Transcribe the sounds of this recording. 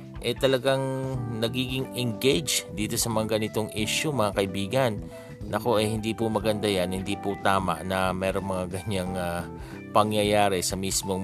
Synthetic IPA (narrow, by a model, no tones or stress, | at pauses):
ʔɛt̪ɐlɐɡaŋnɐɡiːɡɪŋɛŋɡejd͡ʒd̪iːt̪o̞sɐmɐŋaɡɐnɪt̪o̞ŋʔiʃumɐŋakɐɪbiːɡɐn | ʔɐko̞ʔɐjhɪnd̪iːpʊmɐɡɐnd̪ajanhɪnd̪iːpʊt̪aːma̰ʔnɐmɛːɾo̞ŋmɐŋaɡɐɲaŋa | pɐŋjɐjaːɾɛsɐmismo̞